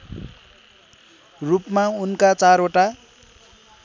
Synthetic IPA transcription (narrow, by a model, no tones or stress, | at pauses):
rupmaunkat͡saɾoʈa